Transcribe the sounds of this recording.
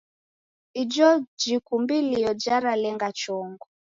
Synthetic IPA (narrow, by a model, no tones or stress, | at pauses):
id͡ʒɔd͡ʒikumbilijɔd͡ʒaɾalɛŋɡat͡ʃɔŋɡɔ